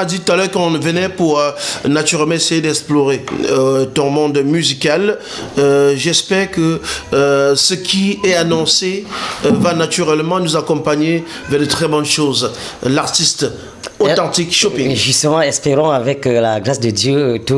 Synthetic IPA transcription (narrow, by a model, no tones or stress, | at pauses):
ad̪it̪ut̪alœʁkɔ̃vənɛpuʁnat̪yʁɛlmɑ̃esɛjed̪ɛksplɔʁe | t̪ɔ̃mɔ̃d̪myzikal | ʒɛspɛʁkə | səkʲʰiɛanɔ̃sevanat̪yʁɛlmɑ̃nuzakɔ̃paɲe | vɛʁd̪ət̪χɛbɔ̃nʃoz | laʁt̪ist̪ | ot̪ɑ̃t̪ikʃɔpĩŋʒyst̪əmɑ̃ɛspeʁɔ̃avɛklaɡʁasd̪əd̪jøt̪u